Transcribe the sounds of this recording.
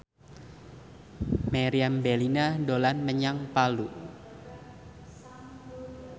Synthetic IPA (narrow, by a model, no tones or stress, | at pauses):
maɾiambɛlinadolanməɲaŋpalu